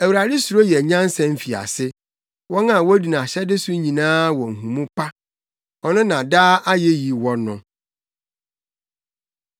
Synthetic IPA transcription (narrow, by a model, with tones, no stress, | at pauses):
æ˨wu˨ɾa˨dɪ˦su˨ɾo˦jɛ˨ɲã˦n̩˦sɛ̃˦m̩˦fi˨a̰˨sɪ˦ | wɔ̃˦nã˨wɔ˦di˨nã˨ɕɛ˦dɪ˦sʊ˦ɲĩ˨nãː˦wɔ̃˨ŋ̩˨ɦũ˨mũ˦pʰa˦ | ɔ˨nʊ̃˦nã˨daː˦ʔa˦jɛ˦ji˨wɔ̃˦nːʊ̃˦